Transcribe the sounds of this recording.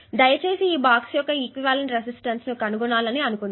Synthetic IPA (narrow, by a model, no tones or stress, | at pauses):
d̪ɐjɐt͡ʃe̞ːsiːbaːksjɔkːɐikʋiʋaːleɳʈɾesisʈɐnsnukɐnuɡunaːlɐniɐnukund̪